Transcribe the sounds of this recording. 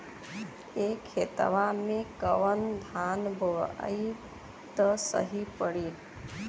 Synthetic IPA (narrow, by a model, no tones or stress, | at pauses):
ekʰːet̪ʋamẽkəʋənd̪ʱanbʱəa̰i | t̪əsə̰ɦipəɽi